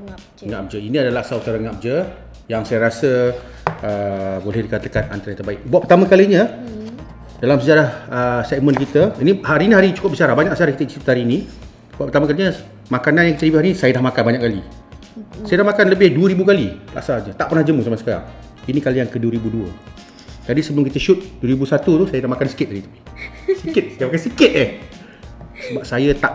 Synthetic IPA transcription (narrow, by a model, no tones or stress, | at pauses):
ŋap̚d͡ʒəiniadalaʔsaut̪aɾaŋap̚d͡ʒə | jaŋsajəɾasə | əbolɛhdikat̪əkana̰nt̪ɾat̪ərbaɪk̚buaʔpərt̪aməkaliɲə | dalamsəd͡ʒaɾahəsɛk̚mə̃nkit̪əinihaɾiniɦaɾit͡ʃu̥kʊp̚bit͡ʃaɾabaɲaksəd͡ʒaɾahkit̪ət͡ʃisit̪haɾini | buaʔpərt̪aməkaliɲə | makananjaŋkit̪əlibiɦaɾinisajədahmakanbaɲaʔkːalḭ | sajədahmakanləbɪhduəɾibukalila̰ʔsaɲət̪aʔpərnahd͡ʒəmusamasə̥kaɾa̰ŋ | inikalijaŋkəduəɾibuduə̰ | d͡ʒadisəbəlʊmkit̪əʃʊt̪̚duəɾibusat̪ut̪usajədahmakansə̥kɪt̪̚adit̪u̥sikɪt̪̚ajəmakansikɪt̪̚ɛh | sbasajət̪aʔ